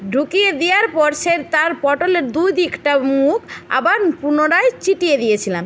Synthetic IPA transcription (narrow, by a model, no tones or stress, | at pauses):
ɖʱukijed̪ijaɾpɔɾʃeɾt̪aɾpɔʈoleɾd̪ujd̪ikʈamuka̰baɾpunoɾajt͡ɕiʈijed̪ijet͡ɕʰilam